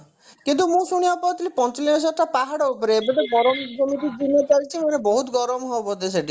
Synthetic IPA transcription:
kint̪umũsuɽ̃ibapɔɾt̪ilipɔnt͡ʃɔliɔs̬aʈ̪ʰːapaɦaɽɔupɔɾeebet̪eɡɔɾɔmd͡ʒomiʈid͡ʒinːɔt͡ʃaɾit͡ʃʰimaneboɦut̪ɡɔɾmɔɦobod̪eseʈi

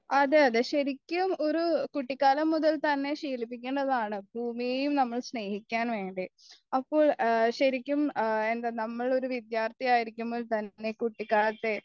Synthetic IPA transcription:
ɐðɨɐðɨɕɐɾikʲːumo̞ɾukuʈːikːaːlɐmːuðɐlt̪ɐnːe̞ɕiːlip̬ːikʲːeːɳɖɐðaːɳɨbʱuːmijejumnɐmːɐɭsne̞ːhikʲːaːnʋe̞ːɳɖi | ɐpːo̞ːɭɕɐɾikʲːumend̪anɐmːɐɭo̞ɾuʋid̪jaːrt̪ɐjaːjiɾikʲːumboːlt̪ɐnːe̞kuʈːikːaːlɐt̪ːe̞

